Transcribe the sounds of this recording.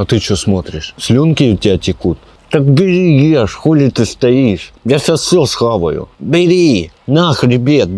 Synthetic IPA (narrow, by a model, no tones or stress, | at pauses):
ɐt̪ɨt͡ɕosmot̪ɾʲɪʂsʲlʲonkʲɪʊtʲːɪatʲɪkut̪̚ | t̪akbʲɪɾʲijeʂxolʲɪt̪ɨst̪ɐiʂjasʲasʲosxaʋɐ̰jʊ̰bʲɪɾʲinaxɾʲɪbʲet̪̚